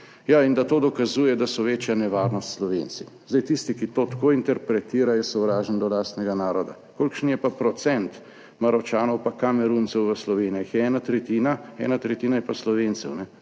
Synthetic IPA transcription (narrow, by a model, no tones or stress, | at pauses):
jaind̪at̪oːd̪ɔkazuːjɛd̪asɔʋeːt͡ʃjanɛʋaːɾnɔst̪slɔʋeːnsi | zd̪ajt̪ist̪ikit̪oːt̪akojint̪ɛɾpɾɛt̪iːɾajɛsɔwɾaːʒənd̪ɔlaːst̪nɛɡanaːɾɔd̪a̰ | koːlkʃnjɛpapɾɔt̪sɛnt̪ | maɾɔt͡ʃaːnɔwpakamɛɾunt̪sɛwʋəslɔʋeːnijaxjɛɛːnat̪ɾɛt̪iːnaɛ̰ːnat̪ɾɛt̪iːnajɛpaslɔʋeːnt̪sɛwnɛ